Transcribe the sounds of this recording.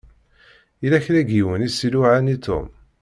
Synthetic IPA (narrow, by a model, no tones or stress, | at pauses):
ilæçɾæɡiwənisiluʕanit̪ʰṵm